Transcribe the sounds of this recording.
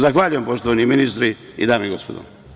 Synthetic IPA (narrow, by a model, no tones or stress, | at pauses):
zaxʋaːʎujempoʃt̪oʋaniminist̪ɾi | ḭd̪aːmeiɡo̰spod̪o̰